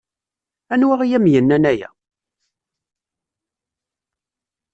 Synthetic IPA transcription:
ænwæʁijæmjənːænæjæ̰

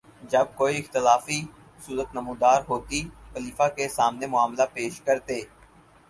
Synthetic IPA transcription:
d͡ʒɐb̚koːiɪxt̪ɪlaːfi | ʊsuːɾət̪nəmũːd̪aːɾɦoːt̪ipəliːfakesaːmnemʊaːmlapeːʃkəɾt̪eː

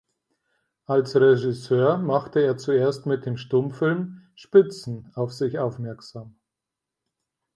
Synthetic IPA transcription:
ʔalsʁeʒɪsøːɐmaχtəeːɐt͡sueːɐstmɪt̚d̥eːmʃtʊmfɪlmʃpɪt͡sn̩aʊfz̥ɪçʔaʊfmɛɐkz̥aːm

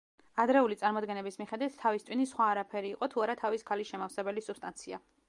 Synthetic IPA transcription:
ad̪ɾɛulit̪sʼaɾmɔd̪̚ɡɛnɛbismiχɛd̪wit̪ʰt̪ʰːavist̪sʼwinisχwaːɾapʰɛɾiːqʼɔt̪ʰuaɾat̪ʰaviskʰaliʃɛmafsɛbɛlisupst̪ʼant̪sʰia

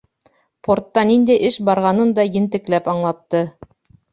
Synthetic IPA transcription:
pʰoɾt̪ːɑnind̪æjʔɘʃbɑɾʁɑnɤnd̪ɑjɘ̆nt̪ɘ̆klæpɑɴlˠɑp̚t̪ɤ

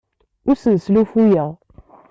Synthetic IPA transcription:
ʊɾsəðslufujəʁ

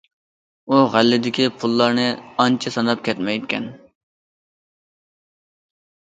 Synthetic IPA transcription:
uʁælːɪd̪ɪkʲipʰulˠːɑɾnɪɑnt͡ʃʰɪsɑnɑp̚kʲʰɛt̪mɛjt̪̚kʲʰɛ̰n

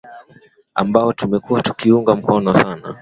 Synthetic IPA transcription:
a̰mbaɔtumɛkuwatu̥kiuŋɡam̩kɔnɔsana̰

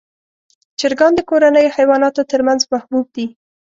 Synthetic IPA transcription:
d͡ʒɪɾɡɑnd̪əkoɾanəjohajwɑnɑt̪ot̪əɾmanzmahbub̚d̪i

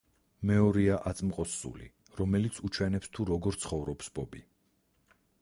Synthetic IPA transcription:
mɛɔɾiaʔat̪sʼmqʼɔsːṵlḭ | ɾɔmɛlit̪sʰut͡ʃʰwɛnɛpst̪ʰuɾɔɡɔɾt̪sʰχɔvɾɔpsbɔbi

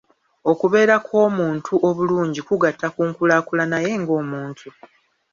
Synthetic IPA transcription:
o̞kuβe̞ːɾakʰo̞ːmuːntʰuʔo̞βuluːɲɟikuɡatːakuːŋkulaːkulanaje̞ŋɡo̞ːmuːntʰu

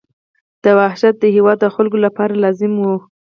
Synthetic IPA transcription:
d̪̥əwahʃat̪̚d̪əɦewɑd̪̚ːəxʊlɡolapɑɾalɑzɪmwu

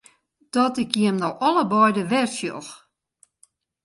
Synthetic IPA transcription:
d̥ɔtɪkjiəmnɔɔləbɔjdəʋɛrsjo̰x

